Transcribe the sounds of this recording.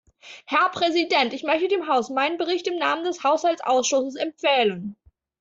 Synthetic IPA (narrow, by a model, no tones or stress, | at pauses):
hɛɐpʁ̥ɛzidɛntɪçmœçtədeːmɦaʊsmaɪnənbəʁɪçtɪmnaːməndɛshaʊshalt͡ssʔa̰ʊsʃʊsəsɛmp͡ffɛːlən